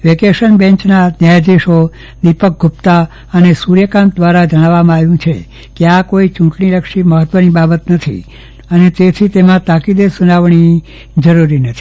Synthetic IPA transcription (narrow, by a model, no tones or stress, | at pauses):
ʋekeʃənbɛ̃ɲt͡ʃnanjajd͡ʒ̪iʃo | d̪ipək̚ɡʱupt̪a | ənesuɾjəkãnt̪̚d̪ʋaɾad͡ʒəɽ̃ãʋːamãaʋjũt͡ʃʰḛ | keakoit͡ʃʊ̃kɳiɾəkʃiməɦət̪ʋənibabət̪nət̪ʰḭ | ənet̪et̪ʰit̪emãt̪akid̪esunaʋɳi | d͡ʒəɾuɾinət̪ʰi̥